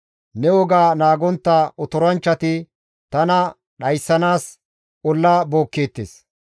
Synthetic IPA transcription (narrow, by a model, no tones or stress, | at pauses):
nɛwɔɡaːnaːɡɔnt̪ːaʔɔt̪ɔɾɐnt͡ʃːɐt̪ɪ | t̪ɐnɐ | ɗɐjsːɐnaːs | ʔɔlːaːbo̞ːkːe̞ːt̪ːḛːs